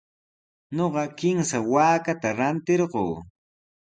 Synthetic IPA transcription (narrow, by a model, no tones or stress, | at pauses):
ɲoɢɑkɪmsawaːkat̪aɾant̪ɪɾɢoː